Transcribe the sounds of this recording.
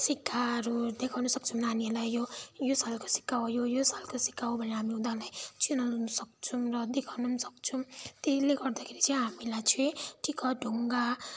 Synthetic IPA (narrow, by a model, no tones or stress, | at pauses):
sikːaɾud̪ekʰawnʌsʌk̚t͡sʰumnanielajjojosalko̥si̥kːawojojosalkosi̥kːaobʱʌneɦamiũd̪alajt͡sʰinanʌsʌk̚t͡sʰumrʌd̪ekʰawnusʌ̥k̚t͡sʰumt̪eleɡʌrd̪akʰeɾit͡sʌij̃ɦamilajt͡sʰuẽʈʰikʌɖʱuŋɡa